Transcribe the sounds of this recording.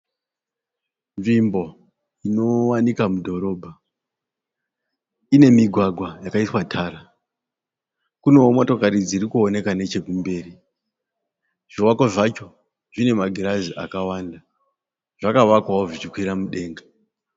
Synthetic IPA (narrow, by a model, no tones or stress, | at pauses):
nʐimbo̞ | ino̞wanikamudʱo̞ɾo̞ːbʱa | ine̞miɡʱwaɡʱwajakaiswatʰaːɾa | kune̞omo̞to̞kaɾid͡zirikuo̞ne̞kane̞t͡ʃe̞kumbe̞ːri | ʐ̥iwakoʐat͡ʃo̞ | ʐine̞maɡʱiɾaziʔa̰kawaːnda | ʐ̥akaʋakwaoʐit͡ʃikwiɾamuɗe̞ːŋɡḁ